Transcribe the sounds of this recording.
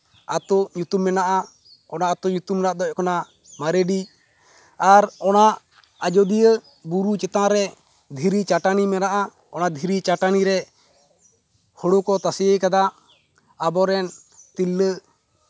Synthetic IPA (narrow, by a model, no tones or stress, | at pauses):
a̰t̪ɔʔɲut̪umːɛnaʔa | ɔnaʔat̪uɲut̪umɾaʔd̪ɔʔ̚kɔna | maɾeɖi | aɾɔnaʔ | ad͡ʒɔd̪ijə | buɾut͡ʃɛt̪ãɾɛ | d̪ʱiɾit͡ʃaʈanimɛnaʔa | ɔnad̪ʱiɾit͡ʃaʈaniɾɛ | hɔɽokɔt̪asijəkad̪aʔː | bɔɾɛn | t̪ilːə